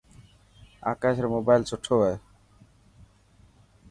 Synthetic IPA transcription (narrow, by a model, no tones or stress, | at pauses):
a̰kaʃeɾmobajlt͡ɕoʈʰːoɦoe